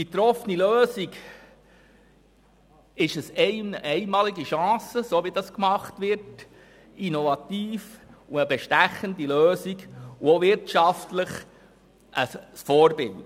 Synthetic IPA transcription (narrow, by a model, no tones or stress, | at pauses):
b̥it̪ɾɔfəniløːziɡ | ɪʃəsɛʔɛɪmɑːliɡiʃɑ̃ːsəsoːʋidɑskmɑχtʋɪɾt | inovɑtiːfuəbɛʃtæχəndiløːsiɡuoʋɪɾtʃɑftləχ | ʔəsfɔːɾbɪlt